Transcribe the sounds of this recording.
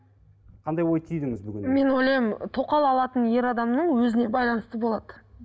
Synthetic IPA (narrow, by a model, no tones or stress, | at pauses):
qʰɑnd̪ɑjwo̞jt̪ʰijd̪ɪŋɪzbʏɡʲɪnme̞nojlˠɑjmt̪ʰo̞qɑlˠɑlˠɑt̪ənje̞ɾɑd̪ɑmnəɴwɵzɪne̞bɑjlˠɑnəst̪əbo̞lˠɑd̪ə